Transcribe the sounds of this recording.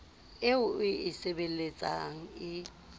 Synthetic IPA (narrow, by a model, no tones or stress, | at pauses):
ɪʊʊɪɪsebel̩let͡sʼa̰ŋ̩ɪ